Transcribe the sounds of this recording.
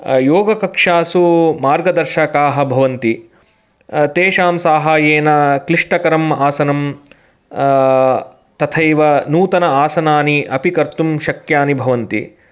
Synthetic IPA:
joːɡɐkɐkʂaːsumaːɾɡɐd̪ɐɾʃɐkaːɦɐ̆bʱɐʋɐnt̪i | t̪eːʃaːmsaːɦaːjeːnɐkliʂʈɐkɐɾɐmaːsɐnɐm | t̪ɐt̪ʰɐjʋɐnuːt̪ɐnɐaːsɐnaːniʔɐpikɐɾt̪umʃɐkjaːnibʱɐʋɐnt̪ḭ

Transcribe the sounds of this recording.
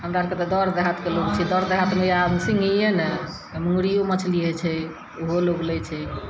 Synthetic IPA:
ɦəmɾaɾket̪ɔd̪ɔɾd̪eɦat̪keloɡt͡ʃʰɛd̪ɔɾd̪eɦat̪meabsiŋɡijene | mũɾijomət͡ʃʰliɦɛt͡ʃʰɛ | oɦoloɡlɛt͡ʃʰɛ

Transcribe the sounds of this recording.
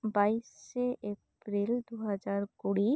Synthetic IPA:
baiseʔep | ɾild̪uɦad͡ʒaɾkuɽi

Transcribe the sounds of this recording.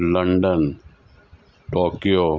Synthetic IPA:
ləɳɖən | ʈoːkijoː

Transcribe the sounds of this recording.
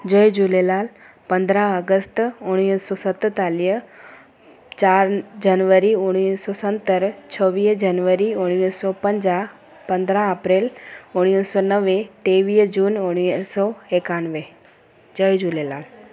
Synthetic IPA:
d͡ʒəjd͡ʒulelaːl | pɐ̃nd̪ɾaəɡəst̪ʊɽ̃iːsɔːsət̪ːt̪aːliɦ | t͡ʃaːɾd͡ʒənʋəɾiʊɽ̃iːsɔːsə̃nt̪əɾt͡ʃʰəʋiːd͡ʒɐnʋəɾiʊɽ̃iːsɔpə̃ɲd͡ʒa | pɐ̃nd̪ɾãəpɾeːlʊɽ̃iːsɔːnəʋeʈeːʋiːd͡ʒuːnʊɽ̃isɔekaːnʋe | d͡ʒəjd͡ʒulelaːl

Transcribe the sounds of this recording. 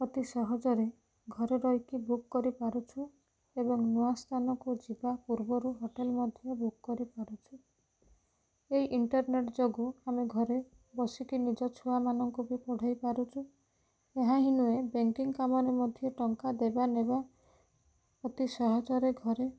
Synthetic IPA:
pɔt̪isɔɦɔd͡ʒɔɾe | ɡʱɔɾɔɾɔjkibukːɔɾipaɾut͡ʃʰu | ebɔŋnuast̪ʰanɔkud͡ʒibapuɾbɔɾuɦoʈelmɔd̪ʱjɔbukːɔɾipaɾut͡ʃʰu | eiʔiɳʈɔɾneʈd͡ʒoɡuameɡʱɔɾe | bɔsikinid͡ʒɔt͡ʃʰuwamanɔŋkubipɔɽ̤ʱajpaɾut͡ʃʰu | eɦãɦinuebeŋkiŋkamɔɾemɔd̪ʱjɔʈɔŋkad̪ebaneba | pɔt̪isɔɦɔd͡ʒɔɾeɡʱɔɾe

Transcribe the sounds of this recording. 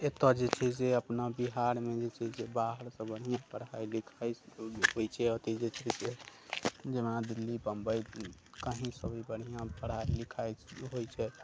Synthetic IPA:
et̪əd͡ʒet͡ʃʰɛseəpnabiɦaɾmed͡ʒet͡ʃʰɛsebaɦəɾsə̃bəɽ̤ijãpəɽailikʰajɦojt͡ʃʰɛɦot̪id͡ʒet͡ʃʰɛse | d͡ʒemnad̪ilːipəmbəjkaɦĩsəbibəɽ̤ijãpəɽɦailikʰajɦojt͡ʃʰɛ

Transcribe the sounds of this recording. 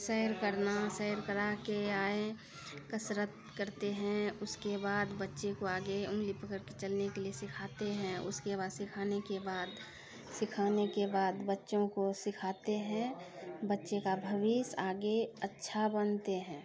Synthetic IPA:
sɛɦɾkəɾnasɛɦɾkəɾakeaːẽ | kəsɾət̪̚ | kəɾt̪eɦɛ̃ʊskebaːd̪bətːʃekoaːɡeʊ̃ŋɡlipəkəɾket͡ʃəlnekeliesɪkʰaːt̪eɦɛ̃ʊ̰skebaːd̪sɪkʰaːnekebaːd̪ | sɪkʰaːnekebaːd̪bətːʃõkosɪkʰaːt̪eɦɛ̃bətːʃekabʱəʋisaːɡeətːʃʰabənt̪eɦɛ̃ː

